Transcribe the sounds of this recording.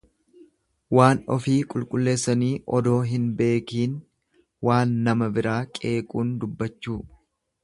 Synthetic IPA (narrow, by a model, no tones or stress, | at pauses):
waːnɔfiːkʼʊlkʼʊlːe̞ːsːɐniːʔɔd̪o̞ːɦɪnbe̞ːkiːn | waːnːɐmɐbɪɾaːkʼe̞ːkʼuːnd̪ʊbːɐt͡ʃːuː